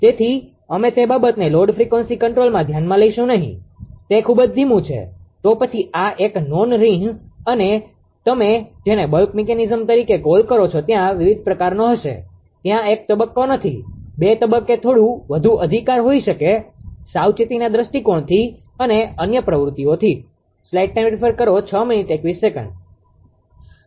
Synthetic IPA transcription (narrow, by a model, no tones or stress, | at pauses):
t̪et̪ʰi | əmet̪ebabət̪neloɾɖfɾikʋənsikəɳʈɾolmãd̪ʱjanmãləiʃũnəɦḭ̃t̪ekʰubəd͡ʒd̪ʱimũt͡ʃʰḛt̪opət͡ʃʰiaʔeknonɾĩŋɡəne | t̪əmed͡ʒenebəlkmikenizəmt̪əɾikekolkəɾot͡ʃʰot̪jãʋiʋid̪̚ʱpɾəkaɾnoɦəʃḛ | t̪jãek̚t̪əbəkːonət̪ʰḭbet̪əbəkːet̪ʰoɽũʋəd̪ʱuʔəd̪ʱikaɾɦoiʃəkesawt͡ʃit̪inad̪ɾəsʈikoɳt̪ʰi | əneənjəpɾəʋɾut̪ːiot̪ʰi | slaiʈ̚neɾifʰəɾkəɾot͡ʃʰəminiʈekʋisekə̰̃ɳɖ